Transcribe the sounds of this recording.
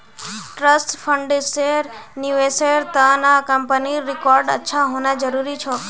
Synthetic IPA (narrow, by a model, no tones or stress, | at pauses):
ʈɾəsʈfʰəɳɖseɾniʋeseɾt̪ãnakəmpəniɾɪkɔɾɖə̰tːʃʰaɦonad͡ʒəɾuɾit͡ʃʰo